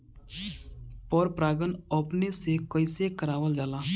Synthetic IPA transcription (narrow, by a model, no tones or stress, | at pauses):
pɔːɾpɾaːɡənɔːpnesekəɪsekəɾaːʋəld͡ʒaːlaː